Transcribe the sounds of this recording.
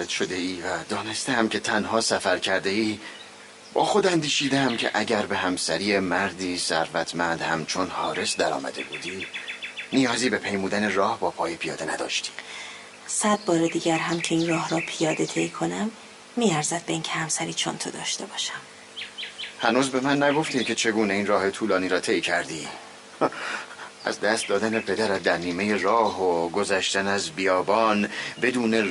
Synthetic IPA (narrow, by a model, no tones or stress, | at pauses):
ɾed̪̥ʃod̪e̞iːvæd̪ɒːne̞st̪ehæmcʰʲe̞t̪ʰænhɒːsæfæɾcʰæɾd̪e̞iː | b̥ɒ̰ːxo̞d̪ænd̪iːʃiːd̪eæmcʰḛʔæɟæɾbe̞hæmsæɾijemæɾd̪iːsæ̰ɾvæt̪ʰmænd̪hæmt͡ʃʰo̞nhɒːɾe̞sd̪æɾɒ̰ːmæ̰d̪e̞̰buːd̪iːnijɒːziːbe̞pʰe̞jmuːd̪ænerɒːhbɒːpʰɒːjepʰijɒ̰ːd̪enæd̪ɒ̰ːʃt̪i̥ː | sæd̪̚bɒːɾed̪iːɟæɾɦæmcʰe̞inrɒːhɾɒːpʰijɒːd̪e̞t̪ʰe̞jkʰo̞næmː | iːæɾzæd̪̚be̞incʰehæmsæɾiːt͡ʃʰo̰nt̪ʰo̰d̪ɒ̰ːʃt̪e̞bɒːʃæm | hænuːzbe̞mænːæɡo̞ft̪iːmcʰe̞t͡ʃʰe̞ɡuːne̞iːnrɒːhe̞t̪ʰuːlɒːniːɾɒːt̪ʰejcʰæɾd̪ḭː | ʔæ̰zd̪æst̪̚d̪ɒːd̪æne̞pʰe̞d̪æɾæt̪̚d̪æɾniːme̞je̞rɒːɦoɡozæʃt̪ænæzbijɒːbɒːnbe̞d̪uːne̞